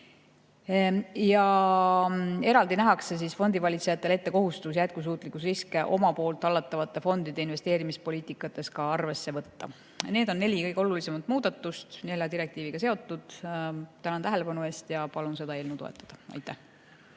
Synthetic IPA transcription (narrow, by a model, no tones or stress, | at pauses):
jɑ | e̞ɾɑld̪inæɦɑkses̬iːsfo̞nd̪ivɑlʲit̪se̞jɑt̪ːˑe̞le̞t̪ːe̞ko̞ɦust̪us̬jæt̪̚kus̬uːt̪ˑlikːusriskeʔo̞mɑpo̞ːlt̪ˑːɑlːɑt̪ːˑɑvɑt̪ːˑe̞fo̞nd̪̥id̪̥e̞inve̞st̪e̞ːɾimispo̞liːt̪ˑikːˑɑt̪ːˑe̞skɑɑrve̞sːe̞vɤt̪ːɑ̰ | ne̞ːd̪o̞nːe̞lʲikɤjɡeo̞lulise̞mɑt̪ˑmuːd̪̥ɑt̪ːust̪ne̞lʲjɑd̪iɾe̞kt̪iːviɡ̥ɑse̞o̞t̪ːud̪̥t̪ænɑnt̪æɦelepɑnue̞ːst̪jɑpɑlunse̞d̪ɑelnuwt̪oḛt̪ˑːɑ̥d̪̥ɑɑ̰jt̪ːˑæh